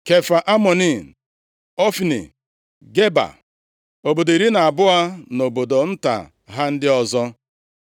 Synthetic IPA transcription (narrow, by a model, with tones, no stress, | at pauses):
ke˨fa˨ʔa˦mɔ˨ni˦˨ | ɔ˦fi˨nḭ˨ | ɡe˦ba̰˨ | o˨bo˨do˨i˨ɾi˦na˨a˨bʊ˦a˦no˨bo˨do˨n̩˦ta̰˨ | ɦa˦n̩˦dɪ˦ɔ˦zɔ˦